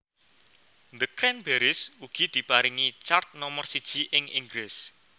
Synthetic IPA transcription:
nd̪əkɾɛnbeɾɪsuɡ̥i̤d̪̥i̤paɾiŋit͡ʃart̪̚nɔmɔrsid̥ʒ̥i̤ʔɪŋɪ̰ŋɡɾɪs

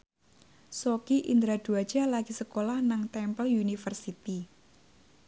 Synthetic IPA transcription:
sokiʔind̪ɾad̪̥uḁd͡ʒ̥alaɡ̥isəkolahnaŋt̪ɛmpəljunifərsit̪i

